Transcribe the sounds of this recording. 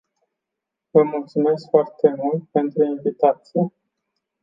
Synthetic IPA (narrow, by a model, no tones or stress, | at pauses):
vəmult̪sume̞skfoart̪e̞mult̪̚pe̞nt̪ɾuinvit̪at̪sije